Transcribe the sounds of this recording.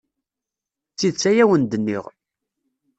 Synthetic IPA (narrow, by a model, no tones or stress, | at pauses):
t͡sːiðt͡sːæjæwənd̪ənːiʁ